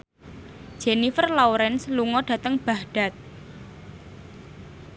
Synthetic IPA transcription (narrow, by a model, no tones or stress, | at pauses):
d̥ʒ̥enifərlɔwɾɛnsluŋɔɖ̥ä̤t̪əŋb̥ahɖ̥a̤t̪̚